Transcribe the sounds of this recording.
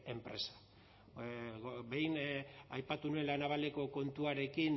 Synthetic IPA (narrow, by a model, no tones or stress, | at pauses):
e̞mpɾe̞sḁ | be̞jnajpat̪unue̞nlanaβale̞ko̞ko̞nt̪uaɾe̞kin